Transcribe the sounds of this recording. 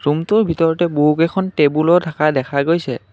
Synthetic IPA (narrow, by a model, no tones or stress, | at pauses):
ɹumtʊɹbʱitɔɹɔtɛboɦukɛkʰɔntebulɔtʰakadɛkʰaɡojsɛ